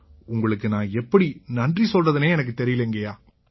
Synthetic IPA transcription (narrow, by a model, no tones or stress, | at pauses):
ʊŋɡɐɭɯkːɯnãːɛpːɐɽinɐndrisɔlrɐðɯneːɛnɐk̬ːɯt̪ɛɾɪjɪleŋɡɐjaː